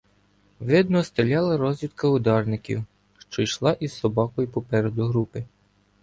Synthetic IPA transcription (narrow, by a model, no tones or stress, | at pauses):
ʋɪd̪nɔst̪ɪlʲɑlˠɐɾɔzʲʋʲid̪kɐʊd̪ɑrnɪkʲḭw | ʃt͡ʃɔjʃlˠɑʔizsɔbɑkɔjipɔpɛɾed̪ʊɦɾupɪ